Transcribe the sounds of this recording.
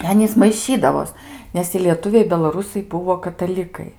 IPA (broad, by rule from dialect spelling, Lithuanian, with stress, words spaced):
ɪ ˈɑːnʲiːs mɐɪˈʃʲiːdɐʋoːs ˈnʲɛs ɪ lʲiɛˈtʊʋʲɛɪ bʲɛlˠɐˈrʊsɐɪ ˈbʊʋoː kɐtɐˈlʲɪkɐɪ